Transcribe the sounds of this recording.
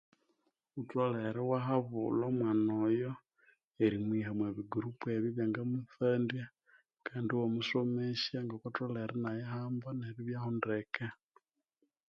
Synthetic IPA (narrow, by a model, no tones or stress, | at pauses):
utwaleɾewaɦaβṵlomwaːnojo | eɾimwiɦamweβiɡuɾupueβiβjaŋɡamuθandja | kaːndiwomusomeʃjaŋɡakotaleɾenajeɦaːmbaneβiβjahondeke